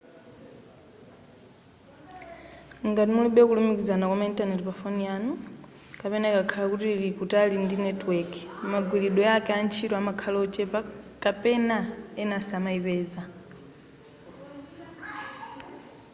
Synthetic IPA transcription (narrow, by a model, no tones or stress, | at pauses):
ŋɡatimuliɓɛkulumikizanakwamaintʼanɛtpafonianu | kapɛnaɛkakʰalakutilikutalindinɛtwɛkmaɡwiliɗɔakɛant͡ʃʰitɔamakʰalɔt͡ʃʼɛpakʼapɛnaɛnasamaipɛːza